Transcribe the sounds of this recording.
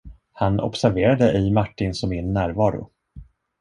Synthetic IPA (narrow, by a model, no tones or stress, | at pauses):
hanɔ̰psæɾveːɾad̪əʔɪmaʈːɪnsɔmɪnːæːɾvɑːɾʊ̰